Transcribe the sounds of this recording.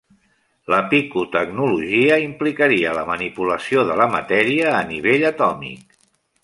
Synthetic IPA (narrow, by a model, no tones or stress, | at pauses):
ləpikut̪əɡnuluʒiəimplikəɾiələmənipuləsioðələmə̰t̪ɛɾiəːniβ̞eʎət̪ɔmḭk